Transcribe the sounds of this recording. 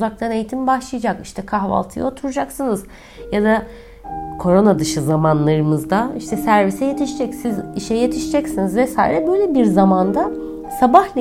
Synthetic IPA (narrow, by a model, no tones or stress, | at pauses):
zak̚t̪ʰane̞jt̪ʰimbaʃlˠɯjd͡ʒakiʃt̪ʰɛkʰaɦva̰lˠt̪ʰɯ̰jot̪ʰuɾud͡ʒaksɯnɯz | jad̪a | kʰo̞ɾo̞nad̪ɯʃɯzamanlˠaɾɯmɯzd̪aiʃt̪ʰɛsæɾvisɛje̞t̪ʰiʃid͡ʒɛcsiziʃɛje̞t̪ʰiʃid͡ʒɛcsinizvɛsaːḭɾɛbø̞jlʲɛbiɾzamand̪a | sabahlʲ